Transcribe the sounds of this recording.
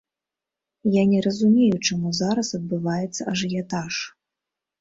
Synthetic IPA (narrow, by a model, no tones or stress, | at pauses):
janʲɛɾɐzumʲejut͡ʂamuzaɾɐsɐd̪̚bɨvajɛt̪sːɐɐʐjat̪aʂ